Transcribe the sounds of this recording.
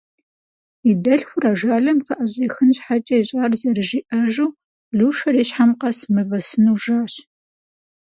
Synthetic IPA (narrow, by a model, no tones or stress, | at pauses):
idɐɬxʷʊraʒaːɮɐmqɐʔɐɕʼiːxɨnɕħat͡ʃʼɐjɕʼaːrzɐrɨʒiːʔɐʒuː | ɮuːʂɐɾiːɕħamqɐsmɨvɐsɨnuːʒaːɕ